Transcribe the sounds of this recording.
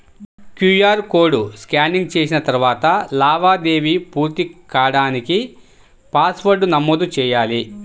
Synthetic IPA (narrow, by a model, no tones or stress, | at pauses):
kjujaːɾkoːɽuskaːniŋɡ̚t͡ʃe̞ːs̬inɐt̪ɐɾuʋaːt̪ɐlaːʋaːd̪e̞ːʋipuːɾt̪ikaːɽaːniki | paːsʋɐɾɖunɐmːoːd̪ut͡ʃɛːjaːli